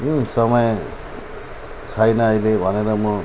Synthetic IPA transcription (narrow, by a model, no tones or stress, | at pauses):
jũsʌmʌj | t͡sʰʌjnʌʌjlebʱʌneɾʌmʌ